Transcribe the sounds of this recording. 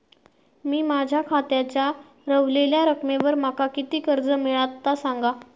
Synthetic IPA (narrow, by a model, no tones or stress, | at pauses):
miːmad͡ʑʱjakʰat̪jat͡ɕja | ɾəʋleljaɾəkmeʋəɾm̤akakit̪iːkəɾd͡zəmiɭat̪ːasaŋɡa